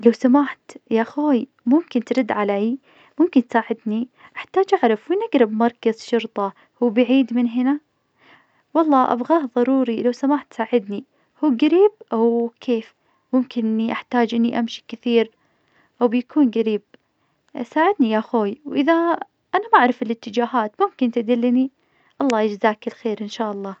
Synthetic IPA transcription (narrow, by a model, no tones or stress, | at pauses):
lawsamaːħt̪jaʔxoːj | mʊmkɪnt̪ɾɪd̪ːʕaleːj | mʊmkɪnt̪saːʕɪd̪niʔaħt̪aːd͡ʒʔaʕɾˤɑfwinaɡɾɪbmɑɾˤkaz̥ʃʊɾt̪ˤɑ | huwbaʕiːd̪mɪnɦɪna | wɑlˤːɑːʔa̰bɣaːhðˤɑɾˤuːɾilawsamaːħt̪saːʕɪd̪ni | huːɡaɾiːb̚ʔawkʰeːf | mʊmkɪnʔɪnːiʔaħt̪aːd͡ʒʔɪnːiʔamʃi̥kɪθiːɾ | ʔawbjakʰuːnɡaɾiːb̚ | saːʕɪd̪nijaʔxoːjwʔɪða | ʔanamaʔaʕɾˤɑfɪlɪt̪ːɪd͡ʒaːɦaːt̪mʊmkɪnt̪ad̪ɪlːni | ʔɑlˤːɑːjɪd͡ʒzaːkɪlxeːɾʔɪnʃaːʔɑlˤːɑː